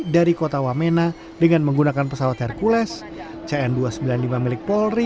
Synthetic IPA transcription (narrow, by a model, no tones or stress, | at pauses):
daɾikot̪awamena | dəŋanməŋɡunakanpəsawat̪ɛrkulɛs | t͡ʃaɛnduasəmbilanlimamilɪk̚pɔlri